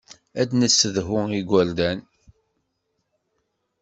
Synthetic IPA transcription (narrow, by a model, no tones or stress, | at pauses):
æd̪nəsːəðɦʊiɡʷæɾd̪æn